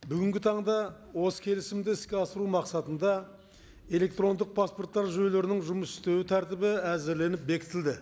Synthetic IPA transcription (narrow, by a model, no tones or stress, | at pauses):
bʏɡʲɪŋɡʲɪt̪ʰɑɴd̪ɑ | wo̞sə̥kʲʰe̞lɪsɪmd̪ɪɪskʲe̞ɑsəɾumɑqsɑt̪ənd̪ɑ | e̞le̞k̚t̪ɾo̞nd̪əq̚pʰaspo̞ɾt̪ːɑɾʒojle̞ɾɪnɪŋʒʊməsɪ̥st̪e̞wɪt̪ʰæɾt̪ɪbɪæzɪɾle̞nɪp̚be̞kʲɪt̪ɪld̪ɪ